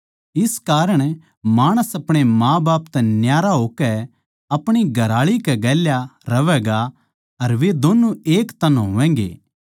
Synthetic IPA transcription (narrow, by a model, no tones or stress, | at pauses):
ɪskaːɾəɽ̃ | maːɽ̃əsɐpɽ̃emãːbaːpt̪ɛnjaːɾaɦoːkɛ | ɐpɽ̃iɡʱɐɾaːɭikɛɡɛːljaɾɐʋɛɡa | ɐɾʋed̪oːnueːkt̪ɐnɦo̰ʋɛ̃ːɡḛː